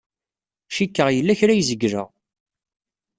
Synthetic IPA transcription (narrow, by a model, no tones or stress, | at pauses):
ʃikːəʁjəlːæçɾæjzəɡːɾə̰ʁ